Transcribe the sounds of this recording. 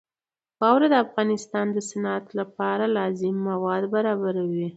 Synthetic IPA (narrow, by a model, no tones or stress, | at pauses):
xɑwɾad̪əafɣɑnɪst̪ɑnd̪əsanat̪lapɑɾalɑzɪmːawɑd̪baɾɑbaɾawi